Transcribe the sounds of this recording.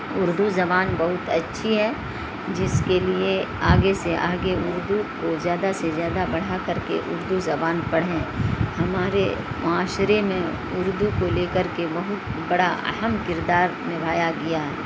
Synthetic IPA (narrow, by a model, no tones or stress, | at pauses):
ʊɾd̪uzɐbaːnbɐɦʊt̪ɐtːʃʰiɦɛ | d͡ʒɪskelie | aːɡeseʔaːɡeʊɾd̪ukozjaːd̪asezjaːd̪abɐɽ̤akɐɾkḛʔʊɾd̪uzɐbaːnpɐɽ̤ẽːhɐmaːɾemʊaːʃɾemẽ | ʊɾd̪ukoleːkəɾkebɐɦʊt̪̚bɐɽaɐ̰ɦəmkɪɾd̪aːɾnɪbʱaːjaɡijaːɦɛ